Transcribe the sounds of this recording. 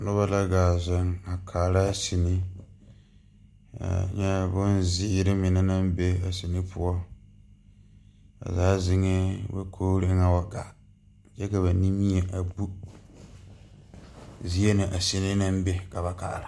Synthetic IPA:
nʊ˦βa˦la˦ɡaː˨za˨ŋa˨kʰaː˨la˦si˨nɪ˦ | a̰˨ɲɛ˦bʊ˦nzɪ˦ɾɪ˦mɪ˨nɪ˦na˦m˦be˦a˨si˨nɪ˦pʊ˦ɔ˦ | a̰˨zaː˦zɪ˨ŋɪ˦ba̰˦kʰoː˦ɾɪ˦ŋa˦wa˨ɡa̰˨ | d͡ʒɛ˦ka˨βa˨ni˦mi˦ɛ˨ʔa˨bu˦ | zi˦ɛ˦nɪ˨ʔa˨si˨nɪ˦na˦m˦be˦ka˨ba˨ka˨la˨

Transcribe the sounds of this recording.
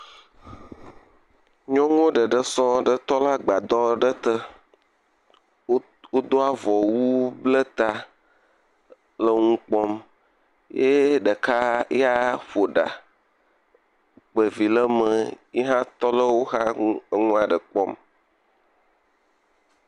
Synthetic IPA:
ɲɔ̃˦ŋ˦o˦ɖə˨ɖə˦sɔ˦ɖə˦t̪ɔ˦la˦ɡ͡ba˨d̪ɔ˦ɖə˦t̪ə˦ | wo˦d̪o˦a˦vɔ˨wu˦blə˦t̪a˦ | lə˦ŋũ˦k͡pɔ˦m | je˦ɖə˨ka˦ja˦ɸo˨ɖa̰˨ | k͡pə˨vi˨lə˦mə˨ | i˦ɦã˦t̪ɔ˦lə˦wo˦xa˦ə˨ŋũ˦a˨ɖə˨k͡pɔ˦m

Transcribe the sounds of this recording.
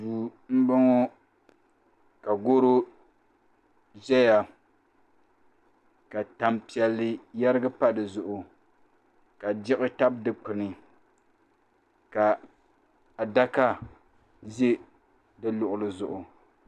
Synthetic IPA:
uː˨m̩˦bɨ˦ŋo˦ | ka˨ɡo˦ɾo˦ | ʒɛ˦ja˨ | ka˨ta˨mpi˨ɛ˨lːɨ˨ja˦ɾɨ˦ɡa˦pa˦dɨ˨zʊ˨ʔʊ˨ | ka˨d͡ʒɪ˦ʔʊ˦ta˦b̚dɨ˨k͡pɨ˨nɨ˨ | ka˨ | a˨da˦ka˦ | ze˦ | dɨ˦lʊ˨ʔʊ˨lɨ˨zʊ˨ʔʊ˨

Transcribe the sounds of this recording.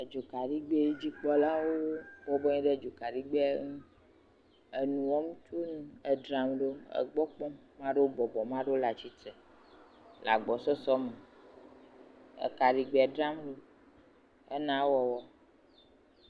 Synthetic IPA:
e˨d͡ʒo˨ka˨ɖi˦ɡ͡be˦d͡ʑi˦k͡pɔ˦la˦wo˦bɔ˨bɔ˦ɲĩ˦ɖe˦˨d͡ʒo˨ka˨ɖi˦ɡ͡be˦ŋũ˦ | e˨nũ˨wɔ˦mũ˦t͡ʃo˦nũ˦e˨ɖɾã˨mɖo˦ḛ˨ɡ͡bɔ˦k͡pɔ̃˦mã˦ɖe˦wo˦bɔ˨bɔ˨mã˦ɖe˦la˨t͡ɕi˦t̪ɛ˨ | la̰˨ɡ͡bɔ˨sɔ˦sɔ˦me˨ | ḛ˨ka˨ɖi˨ɡ͡be˨ɛ˨ɖɾa˦mɖo˦ | e˦nã˦wɔ˨wɔ˦

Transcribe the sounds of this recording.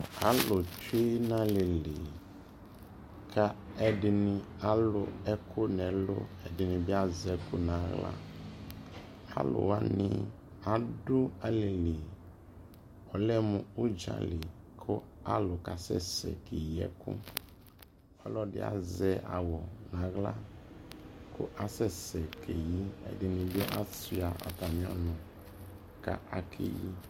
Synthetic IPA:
a˨lʊ˨te˦nã˦lɪ˨lɪ˨ | kʰa˦ɛ˨dɪ˨nɪ̃˨a˦lʊ˨ɛ˦kʰʊ˦nɛ˨lʊ̰˦ɛ˨dɪ˨nɪ̃˨bɪ˦a˦zɛ˦kʊ˦nã˨˦ɣla̰˦ | a̰˦lʊ̰˨wa˦nɪ˦ | a˨dʊ˦a˦le˨li˨ | ɔ˨lɛ˦mʊ̃˨u˦d͡ʒa̰˨lɪ˨ | kʰʊ˦a˦lʊ˨ka˨sɛ̰˦sɛ̰˨kʰe˨ji˨ɛ̰˦kʊ̰˦ | ɔ˦lɔ˦ɖɪ̰˨a̰˨zɛ˦˨a̰˨wɔ˨nã˨ɣla˦ | kʰʊ̰˦ʔa˨sɛ˦sɛ˨kʰe˨ji˦ɛ̰˨˦dɪ˦nĩ˨bɪ˦ʔa˦si˦a˨ʔa̰˨t̪a˨mĩ˨˦a̰˦nʊ̃˨ | ka˨ʔa˨kʰḛ˦ji˦

